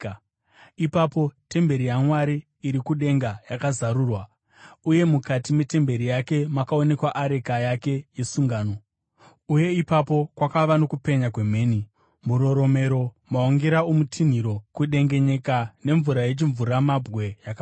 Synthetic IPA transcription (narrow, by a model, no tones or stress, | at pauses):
ipapo̞te̞mbe̞ɾijaŋwaɾiː | ɾikuɗe̞ŋɡajakazaɾuːrwa | uje̞mukatime̞te̞mbe̞ɾijake̞makao̞ne̞kwaʔaɾe̞kajake̞je̞suŋɡaːno̞ | uje̞ipapo̞kwakaʋano̞kupe̞ɲakwe̞me̞ːni | muɾo̞ɾo̞me̞ɾo̞ | maoŋɡeɾaomutʰin̤iɾo̞kuɗe̞ŋɡe̞ɲe̞kane̞ɱvuɾaje̞t͡ʃiɱvuɾamabɣe̞jaka